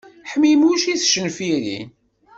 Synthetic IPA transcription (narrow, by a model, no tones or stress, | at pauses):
ħmimuʃiθʃənfiɾḭn